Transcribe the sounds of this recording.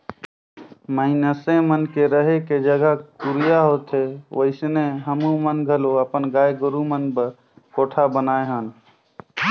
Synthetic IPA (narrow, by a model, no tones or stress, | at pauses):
məinəsemənkeɾəɦeked͡ʒəɡəɦkuɾijaɦot̪ɦeʋəɪsneɦəmũmənɡʱəloəpənɡaːjɡəɾumənbəɾ | koʈʰabənaeɦən